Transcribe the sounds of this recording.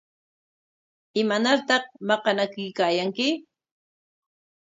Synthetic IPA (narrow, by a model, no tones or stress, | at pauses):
ɪmanaɾt̪ɑqmɑqɑnakɪjkaːjaŋkɪ